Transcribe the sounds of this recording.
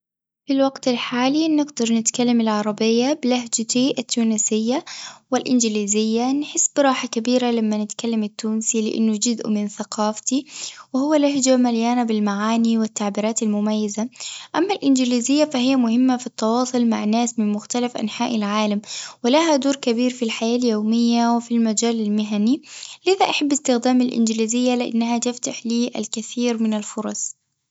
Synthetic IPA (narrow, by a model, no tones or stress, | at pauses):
filwaɡt̪ɪlħaːlinːɪɡd̪ɑɾˤnɪt̪kalːamɪlʕɑɾˤɑbɪjːabɪlaɦd͡ʒat̪iʔat̪ːuːnɪsɪjːawɪlʔɪnd͡ʒɪliːzɪjːanħɪsːbɾˤɑːħakabiːɾalamːanɪt̪kalːamɪt̪ːuːnsilɪ̰ʔɪ̰nːʊd͡ʒʊzʔʊ̰mɪnθaqɑːft̪iwɪhʊwːalaɦd͡ʒamaljaːnabɪlmaʕaːniwɪt̪ːaʕbiːɾɑːt̪almʊmajːazaʔamːalʔɪnd͡ʒɪliːzɪjːafahɪjːamʊhɪmːafit̪ːɑwɑːsˤʊlmaʕnːaːsmɪnmʊxt̪alafʔa̰nħaːʔɪlʕaːlamwɪlaɦad̪uːɾkabiːɾfilħajaːljoːmɪjːawɪfilmad͡ʒaːlalmɪɦanilɪðaʔaħabːɪst̪ɪxd̪aːmalʔɪ̰nd͡ʒɪliːzɪjːalɪʔa̰nːahat̪ɪft̪aħliːʔa̰lkaθiːɾmɪnalfʊɾˤɑsˤ